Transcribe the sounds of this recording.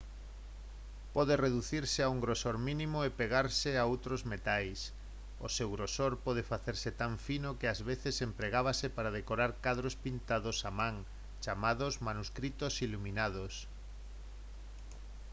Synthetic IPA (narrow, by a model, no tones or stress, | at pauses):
pɔðereðuθiɾseauŋɡɾosoɾmĩnĩmoepeɣ̞aɾseaowt̪ɾozmet̪ajs | o̰sewɣɾosoɾpɔð̞efaθeɾset̪aɱfinokɪazβeθesempɾeɣaβ̞asepaɾað̞ekoɾaɾkaðɾospint̪aðosamãŋ | t͡ʃamaðozmanuskɾit̪osilumĩnaðos